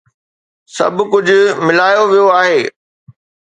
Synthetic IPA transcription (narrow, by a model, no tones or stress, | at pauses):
sɐ̰bʱkʊd͡ʑʱʊmɪlaːjoʋijoaːɦeː